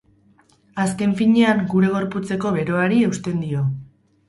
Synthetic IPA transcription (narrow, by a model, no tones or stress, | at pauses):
aske̞ɱfiɲe̞aŋɡuɾe̞ɣ̞o̞ɾput͡se̞ko̞βe̞ɾo̞aɾie̞wst̪e̞nd̪io̞